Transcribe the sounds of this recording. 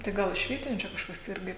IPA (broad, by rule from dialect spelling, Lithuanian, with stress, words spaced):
tɐɪ ˈɡɐlˠ ɪʃ ˈʋʲiɛtʲɪnʲʊ t͡ʃʲɛ kɐʃˈkɐs ˈɪrʲɡʲɪ